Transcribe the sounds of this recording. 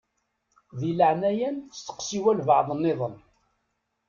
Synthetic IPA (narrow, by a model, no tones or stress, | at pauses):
ðiləʕnæjænst̪ə̥qsiwælvəʕðˤənːɪðˤən